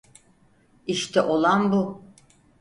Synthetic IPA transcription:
iʃt̪ʰɛʔo̞lˠanbu

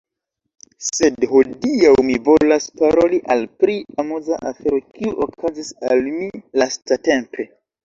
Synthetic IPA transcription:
se̞dhodiawmivo̞laspaɾo̞liʔalpɾiamuzaʔafe̞ɾo̞kiuʔokʰazisalmilastate̞mpe̞

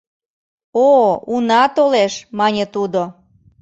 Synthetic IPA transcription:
ounɑt̪oleʃmɑnʲet̪ud̪o

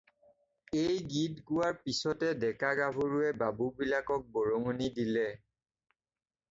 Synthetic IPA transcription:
ejɡidɡʊwaɹpisɔtɛdɛkaɡabʱoɹuɛbabubilakɔk̚bɔɹoŋonidilɛ

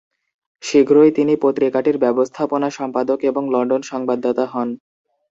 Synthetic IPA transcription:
ʃiɡʱɾoet̪inipot̪ɾikaʈiɾbɛbost̪ʰaponaʃɔmpad̪okeboŋlɔɳɖonʃɔŋbad̪ːot̪aɦɔn

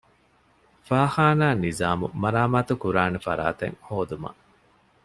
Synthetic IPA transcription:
faːhaːnaːnizaːmṵmɐɾaːmaːt̪ukuɾaːnefɐ̰ɾa̰ːt̪ḛŋhoːd̪umɐ̰

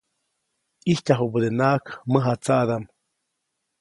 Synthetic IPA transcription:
ihcaɦubəd̪enaʔkməɦat͡saʔd̪am

